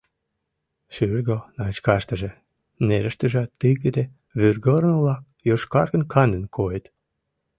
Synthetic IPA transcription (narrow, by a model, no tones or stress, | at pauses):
ʃyrɣonɑt͡ɕkɑʃt̪ə̆ʒĕ | neɾəʃt̪ə̆ʒɑt̪ːɨjɣəd̪e | βyrɡəɾnulɑk | joʃkɑrɣə̆nkʰɑnd̪ə̆nkʰojet̪